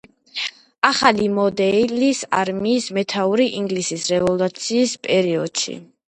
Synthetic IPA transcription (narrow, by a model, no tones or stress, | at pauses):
aχalimɔd̪ɛlisa̰ɾmiːsmɛt̪ʰauɾiʔiŋɡlisisɾɛvɔlut̪sʰiːspʼɛɾiɔd̪̥ʃḭ